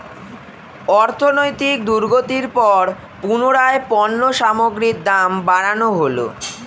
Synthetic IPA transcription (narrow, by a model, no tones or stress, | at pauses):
ɔɾt̪ʰonojt̪ik̚d̪uɾɡot̪iɾpɔɾ | punoɾaepɔnːoʃamoɡɾiɾ̚d̪ambaɽanoɦolo̰